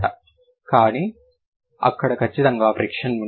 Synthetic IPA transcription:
ʈɐ̰ | kaːni | ɐ̰kːɐɽɐkʰɐt͡ʃːit̪ɐŋɡaːfɾikʂɐnu

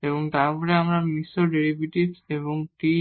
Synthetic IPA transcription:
eboŋt̪aɾpɔɾeamɾaɾmisːoɖeɾibiʈibseβoŋʈi

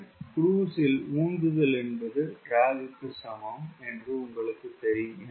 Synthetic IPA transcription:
kɾuːsɪluːnd̪ɯðɐlɛnbɐðɯɾaːd͡ʒɪt̪ːɯsɐmɐmɛndrɯʊŋɡɐɭɯkːɯt̪ːɛɾɪ

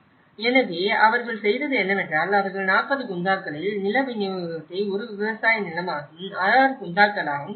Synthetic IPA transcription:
ɛnɐʋeːɐʋɐɾɣɐɭsɛjðɐðɯɛnːɐmɛndraːlɐʋɐɾɣɐɭnaːpːɐðɯkʊnd̪aːkɐɭɪlnɪlɐʋɪnɪɐɐt̪ːɐɪɔɾɯʋɪʋɐsaːjnɪlɐmaːɣɯmɐɾaːɾɯkʊnd̪aːkɐɭaːɣɯm

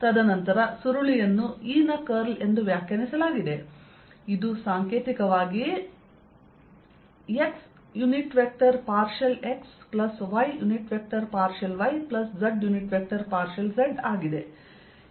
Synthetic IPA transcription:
t̪ɐd̪ɐnɐnt̪ɐɾɐsuɾuɭijɐnːuiːnɐkɐɾle̞nd̪uʋjaːkʰjɐnisɐlaːɡid̪e̞ | id̪usaːŋkeːt̪ikɐʋaːɡi | eks | juniʈʋek̚ʈɐɾpaːɾʃɐle̞ksplɐsʋɐjjuniʈʋek̚ʈɐɾpaːɾʃɐlʋɐjplɐsd͡ʒɐɖjuniʈʋek̚ʈɐɾpaːɾʃɐlsɐɖaːɡid̪e̞

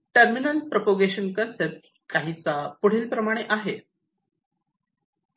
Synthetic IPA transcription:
ʈəɾminəl̚pɾopoɡeɕənkənsep̚ʈ | kaɦit͡sapuɽ̤iːlpɾəmaɽ̃eʔaɦe

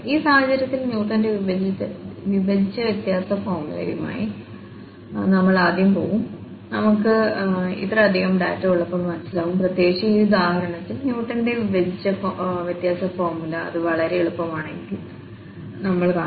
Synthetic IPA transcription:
iːsaːhɦɐt͡ɕɐɾjɐt̪ːilnjuːʈːɐndeʋiʋɐiʋiʋɐd͡ʑʱit͡ɕːɐʋjet̪jaːsɐfoːrmulɐ̰ɾjuma̰ːji | nɐmːɐɭaːd̪ʱjɐmpo̞̰ːɣum | nɐmukːɨḭt̪rɐɐd̪ʱiɣɐmɖa̰ːtːɐuɭːɐpːoːlmɐnɐsilaːɣumprɐt̪je̞ːkʂiiud̪aːhɐɾɐɳɐt̪ːilnjuːʈːɐnde̞ʋiʋɐd͡ʑʱit͡ɕːɐʋjɐt̪jaːsɐfoːrmulɐɐ̰ðɨʋɐɭɐɾe̞ɭupːɐmaːɳenikil | nɐmːɐɭkaːɳ

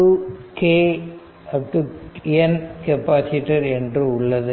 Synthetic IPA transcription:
ukeː | ɐʈuɛnkɛpːaːsiʈːɐɾɛndrɯʊɭːɐðɯ

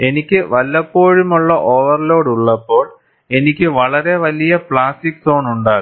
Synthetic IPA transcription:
e̞nikʲːɨʋɐlːɐpːoːɻumuɭːɐʔoːʋɐrlo̞ːɽuɭːɐpːo̞ːɭ | e̞nikʲːɨʋɐɭɐɾe̞ʋɐlijɐpɭaːstikso̞ːnuɳɖaːɣɨ

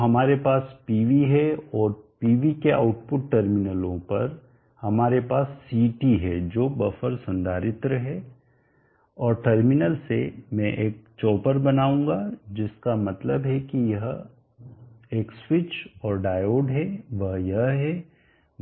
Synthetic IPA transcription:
ɦɐmaːɾepaːspiːʋiɦɛɔːɾpiːʋikea̰ːʊʈpʊʈʈəɾmɪnəlõpɐɾ | hɐmaːɾepaːsːiːʈiɦɛd͡ʒoːbɐfəɾsɐ̃nd̪ʱaːɾɪt̪ɾəɦɛː | ɔːɾʈɐɾmɪnəlsemɛ̃ʔeːk̚t͡ʃɔːpəɾbɐnaːũːɡad͡ʒɪskamɐt̪ləbɦɛkijɐɦ | eːkswɪt͡ʃɔːɾɖaːjoːɖɦɛʋɐɦjɐɦɦɛ

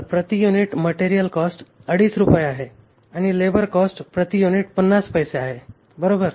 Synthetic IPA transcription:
pɾət̪ijuniʈməʈeɾijəlkɔsʈəɽiːsɾupəjaɦe | aɽ̃ilebəɾkɔsʈpɾət̪ijuniʈpənːaspəjseaɦe | bəɾobəɾ

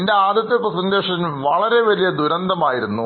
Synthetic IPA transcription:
ende̞aːd̪jɐt̪ːjɐpːrɐsɐŋɡeːʂɐnʋɐɭɐɾe̞ʋɐlijɐd̪uɾɐnd̪ɐmaːjiɾunːu

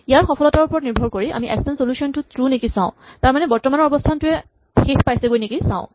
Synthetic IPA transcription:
ijaɹxɔpʰɔlɔtaɹupɔɹɔtniɹbʱɔɹkoɹiʔa̰miʔɛ̰kssɛntsolusiɔntʊtɹunekisãʊ̃taɹmanɛbɔɹtɔmanɔɹɔbɔstʰantʊɛ | xekpajsɛɡojnekisã̰ʊ̃

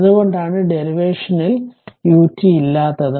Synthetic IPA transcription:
ðuɣo̞ɳɖaːɳɨɖe̞ɾiʋe̞ːʂɐniljuːtːiilːaːt̪ːɐðɨ

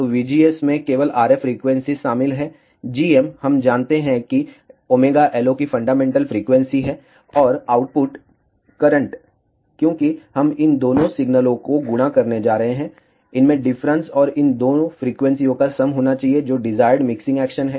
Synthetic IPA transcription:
t̪oːʋiːd͡ʒiːesmẽkeːʋəlaːɾefɾiːkʋɛ̃nsiʃaːmɪlɦɛː | d͡ʒiːɛmhɐmd͡ʒaːnt̪eɦɛ̃ki | oːmeːɡaʔɛːlokifɐ̃ɳɖaːmẽːɳʈəlfɾiːkʋɛ̃nsiɦɛː | ɔːɾaːʊʈ̚pʊʈ | kɐɾə̃ɳʈ | kjõːkihɐmɪnd̪oːnõsɪɡnəlõkoɡʊɽakɐɾned͡ʒaːɾɐɦẽɦɛ̃ː | ɪnmẽɖɪfɾə̃nsɔːɾɪnd̪oːnõfɾiːkʋɛ̃nsiõkasɐmɦoːnat͡ʃaːɦied͡ʒoːɖɪzaːɪɾɖmɪksɪ̃ŋɡɛːkʃənɦɛː

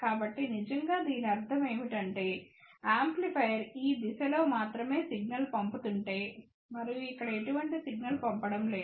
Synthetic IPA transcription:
kaːbɐʈːinid͡ʒɐŋɡaːd̪iːniɐɾt̪ʰɐme̞ːʋiʈɐɳʈe̞ːaːmplipʰɐjɐɾiːd̪isɐlo̞ːmaːt̪ɾɐme̞ːsiɡ̚nɐlpɐmput̪uɳʈe̞ː | mɐɾijuikːɐɽɐe̞ʈuʋɐɳʈisiɡ̚nɐlpɐmpɐɽɐmle̞ː

